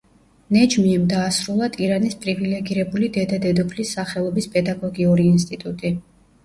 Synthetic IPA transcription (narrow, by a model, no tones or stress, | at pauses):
nɛd͡ʒmiɛmd̪aːsɾulˠat̪ʼiɾanispʼɾivilɛɡiɾɛbulid̪ɛd̪ad̪ɛd̪ɔpʰlisːaχɛlˠɔbispʼɛd̪aɡɔɡiɔɾiːnst̪ʼit̪ʼut̪ʼi